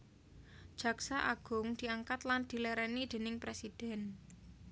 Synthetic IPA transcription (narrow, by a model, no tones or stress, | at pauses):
d̥ʒ̥ä̤ksaʔaɡ̥ʊŋd̪̥i̤aŋkat̪land̪̥i̤lɛɾɛnid̪̥e̤nɪŋpɾesid̪̥ɛn